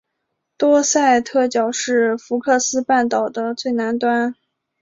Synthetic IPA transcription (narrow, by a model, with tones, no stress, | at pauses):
t̪wɔ˥sa˥˧ɪt̪ʰɤ˥˩t͡ɕjɑ˨˩ʊʂɻ̩˥˩fu˧˥kʰɤ˥˩sɹ̩˥pa˥˩nt̪ɑ˨˩ʊd̪ə˦t͡swe˥˩ɪna˧˥nt̪wa˥n